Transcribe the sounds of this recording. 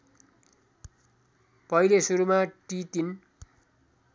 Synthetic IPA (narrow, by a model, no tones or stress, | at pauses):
pʌijlesuɾumaʈit̪in